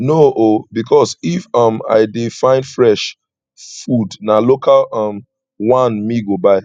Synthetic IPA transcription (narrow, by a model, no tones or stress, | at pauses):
noʔobikʰɔsifʌ̃ma̰ɪdefãɪ̃ndfɹɛʃ | fudnalokʰalʌm | wãnmiɡobaɪ